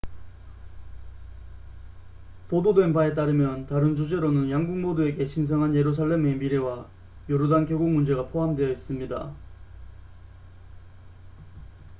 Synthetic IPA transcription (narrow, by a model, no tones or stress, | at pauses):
pododwe̞npae̞t̬͈aɾɯmjʌntaɾɯnt͡ɕud͡ʑe̞ɾonɯnjaŋɡuŋmodoe̞ɡe̞ɕʰins̬ʰʌŋɦanje̞ɾus̬ʰaɭːe̞me̞miɾe̞wa | jʌɾudankjeɡuŋmund͡ʑe̞ɡapʰoɦamdwe̞jʌis͈ɯmɲida̰